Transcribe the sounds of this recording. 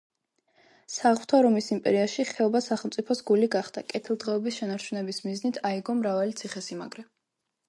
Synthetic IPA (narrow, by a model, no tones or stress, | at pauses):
saʁvt̪ʰaɾɔmisimpʼɛ̰ɾiaʃiχɛɔbasaχɛlˠmt̪sʼipʰɔsɡuliɡaχd̪̥a̰kʼɛt̪ʰilˠd̪ʁɛɔbisʃɛnaɾt͡ʃʰunɛbismiznit̪ʰaiɡɔmɾavalit̪sʰiχɛsima̰ɡɾɛ